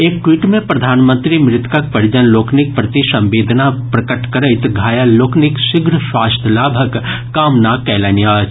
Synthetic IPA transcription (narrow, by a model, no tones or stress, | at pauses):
eːkːwiʈmẽpɾɐd̪ʱaːnmə̃nt̪ɾimɾɪt̪kɐk̚pɐɾd͡ʒənloːkʰnɪk̚pɾɐt̪isɐ̃mʋeːd̪ʱnapɾɐkəʈkɐɾəɪt̪ɡʱaːjaloːknɪkʃɪɡɾʃwaːst̪ʰəlaːbʱəkː | aːmnaːkɛːlɐnjaːt͡ʃ